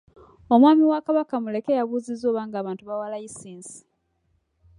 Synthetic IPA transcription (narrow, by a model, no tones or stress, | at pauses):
o̞mwaːmiwakaβakamule̞kejaβuːzizoːβaːŋɡaːβaːntuβawalaisiːnsi̥